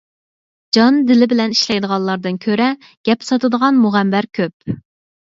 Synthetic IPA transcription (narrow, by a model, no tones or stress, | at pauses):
d͡ʒɑnd̪ɪlɪbɪlɛniʃlɛjd̪əʁɑnlˠɑɾd̪ɨnkʲʰøɾɛ | ɡ̥ʲɛpsɑt̪ɨd̪əʁɑnmuʁæmbɛɾkʲʰøp̚